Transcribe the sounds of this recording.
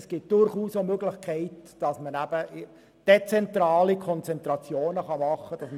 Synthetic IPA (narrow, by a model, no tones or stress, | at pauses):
sɡ̥ɪt̚d̥ʊɾχuːsomøɡlɪχkʰɛɪtd̥ɑsmənæb̥ə | d̥et͡sɛntɾɑːlikʰɔnt͡sɛnt̪ɾɑt͡sjoːnəχɑmɑχəd̥ɑsm